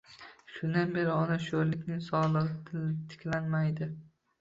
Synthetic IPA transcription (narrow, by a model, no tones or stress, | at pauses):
ʃʊnd̪anbe̞ɾɪɒnaʃoɾlɪkʲnɪŋsɒlˠɨʁt̪ʰlt̪ʰɪ̥kʲlanmajd̪ɪ